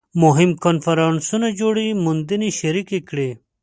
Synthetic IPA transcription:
moɦimkonfɐɾansunɐd͡ʑoːɽimund̪iniɕɐɾikekɽi

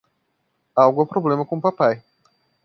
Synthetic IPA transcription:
awɡuɛpɾoblẽmɐkõpapaj

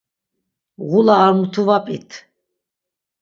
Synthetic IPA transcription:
ɣulaːɾmut̪ʰuvapʼit̪ʰ

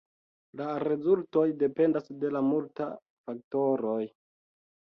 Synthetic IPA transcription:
laɾe̞zulto̞jde̞pe̞ndasde̞lamulta | fak̚to̞ɾo̞j

